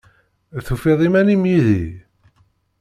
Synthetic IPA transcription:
θufeðˤimænimjiðḭ

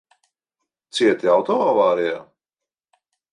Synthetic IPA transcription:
t̪siɛt̪iawt̪ɔavaːɾijaː

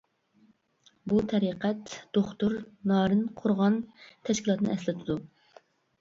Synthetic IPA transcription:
but̪ʰɛɾiqʰɛt̪d̪̥oχt̪uɾnɑːɾɨnqʰʊɾʁɑnt̪ʰɛʃkʲilˠɑt̪nɨ̰ʔɛslɪt̪ʰɨd̪u

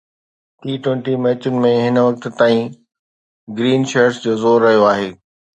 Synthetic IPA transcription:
ʈiːʈwẽːɳʈimɛːt͡ɕʊnɪ̆mẽɦɪnʋɐk̚t̪t̪aːĩ | ɡɾiːnʃeɾsd͡ʑoːzoːɾːɐɦijoaːɦeː

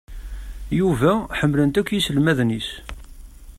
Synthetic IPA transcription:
juvæħəmːlənt̪ækʷːjisəlmæðnis

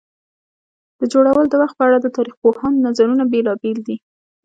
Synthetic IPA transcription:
d̪̥əd͡ʒoɽawəld̪əwaxt̪̚pəaɽad̪ət̪ɑɾixpohɑnːazaɾunabelɑbeld̪i

